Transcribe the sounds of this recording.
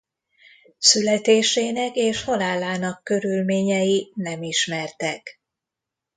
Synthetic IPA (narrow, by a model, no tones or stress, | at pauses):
sylɛt̪eːʃeːnɛkeːʃho̞laːlːaːnɒkːø̞ɾylmeːɲɛjinɛmiʃmɛrt̪ɛk